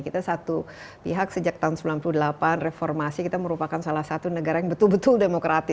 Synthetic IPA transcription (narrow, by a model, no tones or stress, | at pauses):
kit̪asat̪u | piɦaksəd͡ʒak̚t̪aɦunsəmbilanpuludəlapanrefɔrmasikit̪aməɾupakansalahsat̪unəɡaɾajaŋbət̪ʊlbət̪ʊldemokɾʔat̪ɪ